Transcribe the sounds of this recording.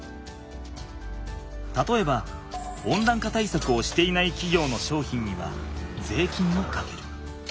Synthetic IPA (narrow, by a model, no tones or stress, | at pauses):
t̪at̪o̞e̞baõ̞nd̪ãŋkat̪aisakɯ̟o̞ɕi̥t̪e̞inaikʲiɡʲo̞ːno̞ɕo̞ːçĩɲ̟ːiβa̰d͡ze̞ːkʲĩnːokake̞ɾɯ̟